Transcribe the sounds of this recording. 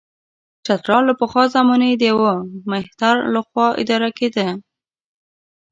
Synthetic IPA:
t͡ʃat̪ɾɑləpəxwɑzɑmɔned̪ewəmeht̪aɾlaxwɑʔɪ̰d̪ɑɾaked̪ə

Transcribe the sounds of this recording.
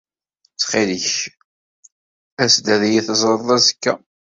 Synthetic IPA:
t͡sːχeliç | æsd̪æðjiθəzˤɾˤəðˤæzə̥kːæ

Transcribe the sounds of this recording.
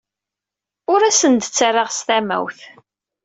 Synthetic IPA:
ʊɾæsənt̪t͡sːarˤːaʁsθæmæ̰wθ

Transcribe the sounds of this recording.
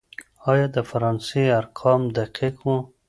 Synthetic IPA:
ɑjɑd̪əfaɾɑnseaɾqʰɑmd̪aqikwu

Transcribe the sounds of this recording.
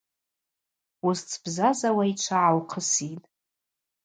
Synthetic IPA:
ʊzt͡sʰb̥zazawait͡ʃʷʰaʕawqʰəsitʼ

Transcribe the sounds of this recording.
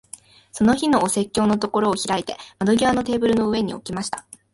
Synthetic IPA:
so̞no̞çino̞ːse̞kʲːo̞ːno̞t̪o̞ko̞ɾo̞ːçiɾait̪e̞mad̪o̞ɡʲoano̞t̪e̞ːbɯ̟ɾɯ̟no̞ɯ̟e̞ɲ̟ḭo̞kʲimaɕi̥t̪ḁ

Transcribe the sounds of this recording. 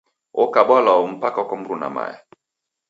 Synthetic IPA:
ɔkaɓɔlaɔm̩pakaɔkɔmbuɾuna̰ma̰ja

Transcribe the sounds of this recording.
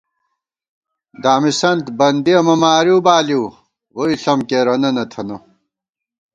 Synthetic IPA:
d̪aːmisɐnt̪bɐnd̪iɐmɐmaːɾiwbaːliw | woiɬɐmkeːɾɐnɐnɐt̪ʰɐnɐ

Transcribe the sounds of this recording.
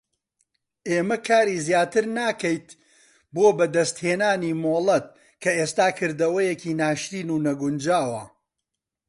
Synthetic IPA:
ʔeːmɐkʰaːɾiːzjaːt̪ɨɾnaːkɐjt̪ | boːbɐd̪ɐst̪heːnaːnimoːlˠɐt̪̚ | kʰɐeːst̪aːkʰɨɾd̪ɐwɐjekiːnaːʃɾiːnuːnɐɡʊnd͡ʒaːwɐ

